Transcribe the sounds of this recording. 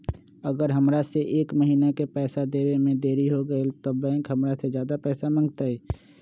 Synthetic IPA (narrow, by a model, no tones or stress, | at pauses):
ɐɡəɾɦɐmɾaseʔeːkməɦiːnakepɛːsad̪eːɾemẽd̪eːɾiɦoɡəet̪obɛ̃ːkɦɐmɾasezjaːd̪apɛːsamɐ̃ŋɡt̪aɦɛː